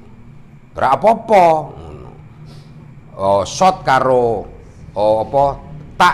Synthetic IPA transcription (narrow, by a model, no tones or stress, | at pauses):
ɾʔa̰ʔɔpɔɔpɔ̰ | sɔt̪̚kaɾo | pɔt̪a